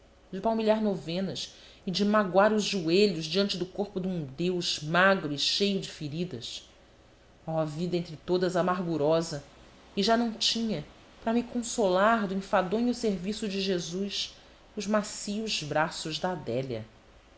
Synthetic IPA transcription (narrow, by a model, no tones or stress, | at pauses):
d͡ʒɪpawmiʎaɾnovẽnɐs | ɪd͡ʒɪmaɡwaɾʊzʒueʎʊzd͡ʒiɐ̃nt͡ʃɪd̪ʊkoɾpʊd̪ũd̪ewʃmaɡɾʊɪʃejʊd͡ʒɪfiɾid̪ɐs | ɔɐvid̪ɐẽnt̪ɾɪt̪od̪ɐzamaɦɡuɾɔzɐ | ɪʒanɐ̃w̃t͡ʃĩɲɐ | pɾɐmɪkõsolaɾd̪ʊĩfad̪õɲʊseɾvisʊd͡ʒɪʒezus | ʊzmasiʊzbɾasʊzd̪ɐːd̪ɛʎɐ̰